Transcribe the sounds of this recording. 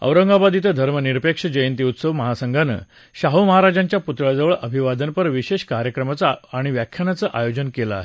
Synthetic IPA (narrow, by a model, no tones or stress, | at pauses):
ə̰wɾəŋɡabad̪it̪əd̪ʱəɾməniɾpekʂəd͡ʑəjənt̪iut̪səʋməɦasəŋɡʱanə̰ | ɕaɦəməɦaɾad͡ʑaɲt͡ɕjaput̪ɾjad͡zəʋəɭʔəbʱiʋad̪ənpəɾʋiɕeɕkaɾʲjəkɾəmat͡saːɽ̃iʋjakʰjanat͡səʔajod͡ʑənkelaa̰ɦe